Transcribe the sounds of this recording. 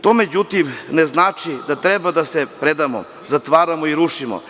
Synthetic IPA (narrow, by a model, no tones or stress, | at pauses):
t̪o̞ːmed͡ʑut̪imneznaːt͡ʂid̪at̪ɾɛbad̪asepɾed̪amo̰ | zat̪ʋaːɾamoiɾuʂimo̰